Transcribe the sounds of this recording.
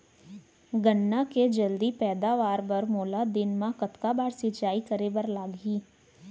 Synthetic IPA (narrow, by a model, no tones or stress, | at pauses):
ɡənːaked͡ʒəld̪ipɛːd̪aːʋaːɾbəɾmoːlad̪ɪnmãkət̪kabaːɾsɪt͡ʃaːikəɾeʋəɾlaːɡɦiː